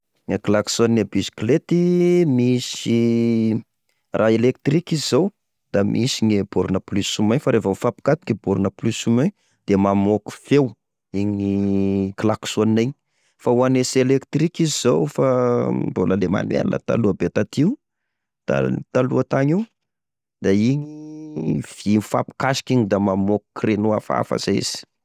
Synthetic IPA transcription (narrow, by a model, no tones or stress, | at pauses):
ŋaklaksonebisi̥klet̪imisi | rʔaelek̚t̪rikizzow | d̪̥amʔisinebuɾunəplysumaɲfaɾefafapi̥kat̪i̥kibuɾunəplysume | d̪̥emamoku̥few | iɲniklaksoniajɲ | fauaneselekt̪rikizizowfaboləlema̰nwḛnnə̰t̪a̰luəbet̪at̪iu | d̪̥a̰t̪aluət̪aɲiw | d̪̥aiɲi | v̥infa̰pi̥kasi̥kiɲid̪amamoku̥krenuafa̰fa̰zeḭz̥i̥